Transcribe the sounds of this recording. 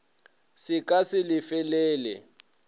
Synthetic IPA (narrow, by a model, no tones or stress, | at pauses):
sɪkʼasɪlɪfɛlɛːlɛ̰